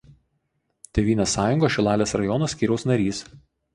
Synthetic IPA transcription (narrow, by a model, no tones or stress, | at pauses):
t̪ʲeʋʲiːnʲoːsːɑːjʊŋɡoːʃʲɪlˠɑːlʲeːsɾɐjɔnosʲkʲiːɾʲɛʊsnɐɾʲiːs